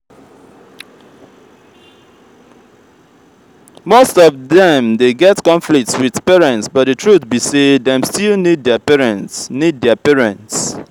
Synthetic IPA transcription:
mostɔvðɛ̃mdeɡɛtkɔ̃nflik̚tswið̥pɛɹɛ̃ntsbʌt̚dðɨtʰɹuθbiseðɛ̃mstilnid̚dɛəpɛɹɛ̃ntsnid̚dɛəpɛɹɛ̃nts

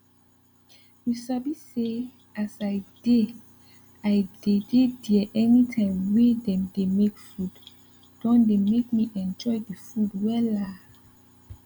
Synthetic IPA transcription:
wisɔbise | asaɪde | aɪdedediɛʔɛnitʰãɪ̃mwedɛ̃mdemekfud | d̥ɔ̃ndemekmiʔɛ̃nd͡ʒɔjdifudwɛla

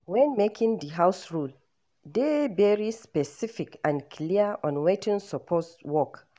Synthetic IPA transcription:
wɛ̃nmekʰĩŋdiɦawsɹul | devɛɹispɛsifikãnkʰliəɔ̃nwetĩŋsɔpʰɔswɔk

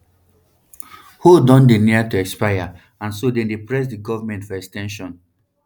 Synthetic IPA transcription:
hodɔ̃ndeniatuɛkspaja | ãnsodẽndepɹɛs̬diɡɔvamɛ̃ntfɔɛkstɛ̃nʃɔ̃n

